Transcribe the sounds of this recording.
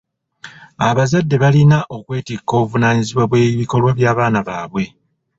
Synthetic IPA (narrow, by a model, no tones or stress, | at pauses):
aβazadːe̞βalinaʔo̞kwe̞ːtikːo̞ːβuvunaːɲiziβwaβwe̞ːiβiko̞lwaβjaːβaːnaβaːβwe̞